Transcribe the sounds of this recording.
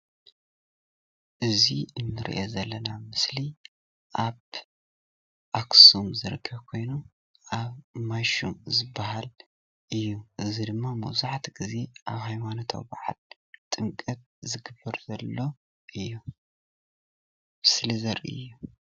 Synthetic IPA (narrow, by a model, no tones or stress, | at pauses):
ʔɨziɨnːɨɾḭʔezɐlːɐnamɨsli | ʔaβ | ʔaksumzɨɾɨkʰːɐβkʰo̞jnu | ʔaβmaʃumzɨbːahal | ʔɨjːuʔɨzid̪ɨmːamɐ̰wzaʕt̪ʰɡize̞ʔa̰βhajmanot̪ʰɐ̰wbaʕa̰l | t̪ʼɨmkʼɐt̪̚zɨɡɨbːɐɾzɐlːo̞ | ʔɨjːu | mɨslizɐɾiɨ̰jːu